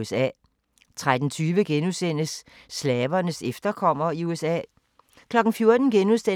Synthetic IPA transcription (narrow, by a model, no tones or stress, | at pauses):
esɛ̰ː | t͡sʰʁad̥n̩t͡sʰyːʋəɡ̥enusen̰əsː | lɛːʋɐnəsefd̥ɐkʰɒ̽m̰ɐiuesɛ̰ː | kʰlɒ̽ɡ̥n̩fjo̝ɐd̥n̩ɡ̥enuse